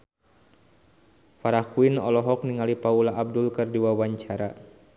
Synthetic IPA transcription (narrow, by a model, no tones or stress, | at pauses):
faɾahkuinɔlɔɦɔkniŋalipaulaʔːb̚dulkɨrdiwawaɲt͡ʃaɾa